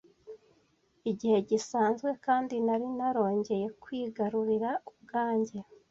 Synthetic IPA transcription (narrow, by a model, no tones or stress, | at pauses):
iɟihe̞ɟisaːnzɡwe̞kaːndinaɾinaɾo̞ːɲɟe̞je̞kwiːɡaɾuɾiɾaub̚ɡaːɲɟe̞